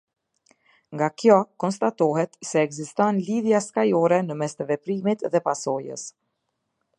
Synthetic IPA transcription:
ŋɡakjɔkɔnst̪at̪ɔɦɛt̪sɛːɡzist̪ɔnliðjaskajɔɾɛnəmɛst̪ɛvɛpɾimit̪ðɛpasɔjə̰s

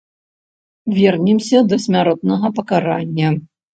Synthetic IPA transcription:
vʲɛrnʲimsʲɐd̪ɐsʲmʲaɾɔt̪̚nɐɣɐpɐkaɾanʲːɐ

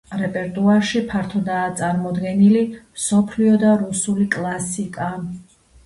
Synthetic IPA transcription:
ɾɛpʼɛɾt̪ʼuaɾʃipʰaɾt̪ʰɔd̪aːt̪sʼaɾmɔd̪ɡɛnilimsɔpʰliɔd̪aɾusulikʼlˠasikʼa

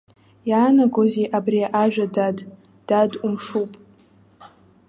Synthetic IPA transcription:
jaːnaɡozeʔabrijaʔaʒᶣadad | d̥adumʂupʼ

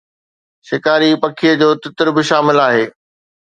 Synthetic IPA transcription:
ʃɪkaːɾipɐkʰiəd͡ʑoːt̪ɪt̪ɪɾbɪʃaːmɪlaːɦeː

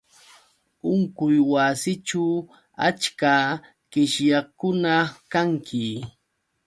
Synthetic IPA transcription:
ʊŋkʊjwasɪʈ͡ʂa | a̰t͡ʃka | ɢɪʃjakʊnakaŋkʰɪ

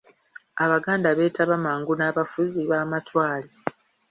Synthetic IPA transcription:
aβaɡaːndaβe̞ːtaβamaːŋɡunaːβafuziβaːmatwaːli

